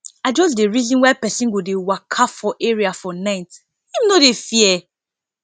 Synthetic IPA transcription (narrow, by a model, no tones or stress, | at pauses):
ad͡ʒɔs̬deɹizɔ̃nwapɛsĩnɡudewakʰafɔʔɛɹiafɔnãɪnt | hĩmnodefiɛ